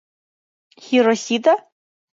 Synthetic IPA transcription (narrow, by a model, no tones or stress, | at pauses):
xʲiɾɔsʲid̪ɐ